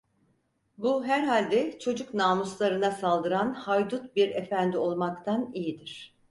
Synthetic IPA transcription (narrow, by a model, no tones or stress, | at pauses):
buɦæɾɦalʲd̪ɛt͡ʃʰo̞d͡ʒuknaːmuslˠaɾɯnasalˠd̪ɯɾanhajd̪ut̪̚biɾefænd̪io̞lˠmakt̪ʰanijid̪iɾ̝̥